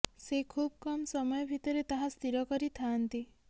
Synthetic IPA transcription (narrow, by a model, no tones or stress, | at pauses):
sekʰub̚kɔmsɔmɔjɔbʱit̪ɔɾet̪ɔɦast̪ʰiɾɔkɔɾit̪ʰant̪i